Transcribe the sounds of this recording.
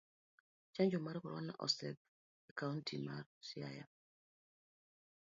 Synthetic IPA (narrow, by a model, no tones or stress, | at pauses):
t͡ʃaɲd͡ʒɔmaɾɛkɔɾwana̰ʔɔ̰sɛb̚ | ɛkauntʰimaɾsia̰ja̰